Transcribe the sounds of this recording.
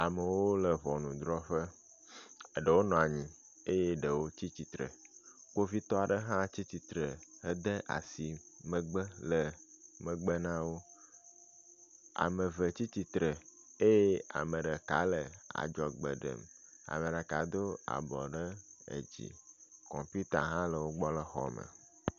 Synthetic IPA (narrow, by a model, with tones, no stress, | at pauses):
a˨mə˨wo˦lə˨βɔ˨nũ˨d̪ɾɔ˦ɸə˦˨ | ɖə˨wo˦nɔ̃˨a˨ɲĩ˨ | e˦je˦ɖə˨wo˦t͡ɕi˦t͡ɕi˦t̪ɾə̰˨ko˦vi˦t̪ɔ˦a˨ɖə˦ɦã˦t͡ɕi˦t͡ɕ̪i˦t̪ɾə˨ə˦d̪ə˦ʔa̰˨si˨mə̃˦ɡ͡bə˦lə˨mə̃˨ɡ͡bə˦nã˦wo˦ | a̰˨mə˨və˨t͡ɕi˦t͡ɕi˦t̪ɾə˨ | e˦je˦a̰˨mə̃˨ɖə˨ka̰˨˦lə˨a̰˨d͡ʒɔ˨ɡ͡bə̰˨ɖə̰˨ma̰˨mə˨ɖə˨ka˨d̪o˦a̰˨bɔ˨ɖə˦ḛ˨d͡ʑḭ˨kɔ̰̃˨mpu˦t̪a˨ɦã˦lə˨wo˦ɡ͡bɔ˦lə˦xɔ̰˨mə̰˨